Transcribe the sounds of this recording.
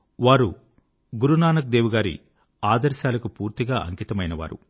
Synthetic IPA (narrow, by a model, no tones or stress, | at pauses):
ʋaːɾu | ɡuɾunaːnɐk̚d̪eːwuɡaːɾḭ | aːd̪ɐɾʃaːlɐkupuːɾt̪iɡaːʔɐ̰ŋkit̪ɐmɐjnɐʋa̰ːɾṵ